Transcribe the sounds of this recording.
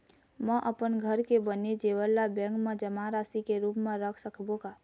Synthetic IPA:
mɛ̃ʔəpənɡʱəɾkebəned͡ʒeːʋəlːabɛ̃ːŋkmẽd͡ʒəmaɾaːsikeɾuːpmẽɾəkʰsəkʰbõɡaː

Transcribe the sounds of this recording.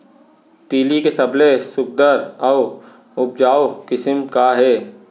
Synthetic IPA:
t̪iːlikesɐblesʊk̚d̪əɾɔː | ʊp̚d͡ʒaːokɪsmkaɦɛː

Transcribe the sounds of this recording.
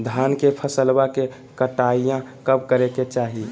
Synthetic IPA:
d̪ʱaːnkepʰəsəlbake | kəʈaijãkəb̚kəɾeket͡ʃaːɦi

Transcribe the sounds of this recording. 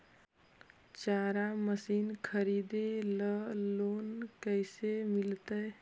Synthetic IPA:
t͡ʃaɾaməsinkʰəɾid̪eləlonkəɪsemilt̪əj

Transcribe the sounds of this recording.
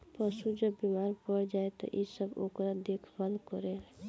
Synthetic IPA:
pəsud͡ʒəbːimaɾpəɾd͡ʒaet̪ɔ̰ʔisəbo̰kɾad̪ekʰbalkɔɾe

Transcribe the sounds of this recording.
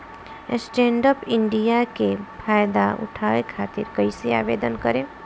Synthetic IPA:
sʈẽːɳɖəpɪ̃ɳɖijakepʰaːjd̪aʊ̰ʈʰaːʋekʰaːt̪ɪɾkəisea̰ːʋeːd̪ənkəɾẽ

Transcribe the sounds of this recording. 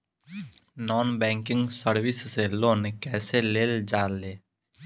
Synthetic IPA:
nɔːnbɛ̃ːŋkɪ̃ŋɡsəɾʋɪsseloːnkɛːseleːld͡ʒaːlːeː

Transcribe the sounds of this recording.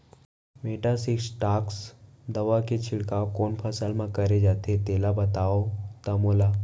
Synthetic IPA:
meːʈasɪksʈaːks | d̪ɐʋaket͡ʃʰɪɽkaːokoːnpʰəsəlmãkɐɾed͡ʒaːt̪et̪eːlabɐt̪aːot̪amoːlaː

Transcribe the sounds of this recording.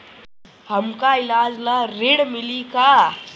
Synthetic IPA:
həmkailad͡zlaɾeɽmilika

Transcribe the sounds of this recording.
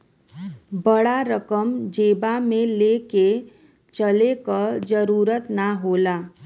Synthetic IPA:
bəɽaɾəkəmd͡ʒeːbamẽleːke | t͡ʃəlekəd͡ʒəɾuːɾət̪naɦoːlaː

